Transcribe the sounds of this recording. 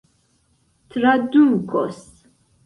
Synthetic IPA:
t̪ʰɾad̪umkʰɔ̰s

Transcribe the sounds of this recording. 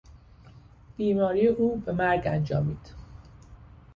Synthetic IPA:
b̥iːmɒːɾijeʔuːbe̞mæɾɡænd͡ʒɒ̰ːmiːd̪̥

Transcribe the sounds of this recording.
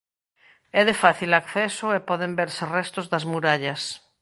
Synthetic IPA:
ɛðefaθilakθɛsoepɔðembeɾserɛst̪ozðazmuɾaʎas

